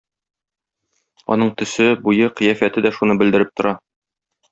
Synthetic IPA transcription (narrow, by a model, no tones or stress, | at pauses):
ɒ̰n̪ɤɴt̪ɵ̆sɘbujɤqɤ̆jæfæt̪ɘd̪æʃunɤbɘ̆ld̪ɘ̆ɾɘp̚t̪ŏɾɑ